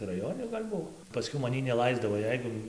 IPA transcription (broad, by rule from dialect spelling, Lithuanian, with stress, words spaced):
rɐˈjoːnʲɪ ɡɐlʲ ˈbuɔ pɐˈsʲkʲɛʊ mɐˈnʲiː nʲɛˈlˠɐɪzdɐʋoː ˈjɛɪɡʊ